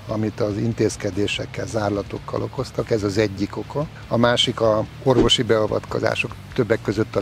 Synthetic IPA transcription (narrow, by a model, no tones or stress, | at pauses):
ɒmit̪ɒzint̪eːskɛd̪eːʃɛkːɛlzaːrlɒt̪o̞̰kːɒ̰lʔo̞ko̞st̪ɒkɛzɒzɛɟːiko̞kɒ | ɒmaːʃikɒ | o̞rvo̞ʃibɛɒvɒ̰t̪ko̞̰za̰ːʃo̞k | t̪ø̞bːɛkːø̞zøt̪ːɒ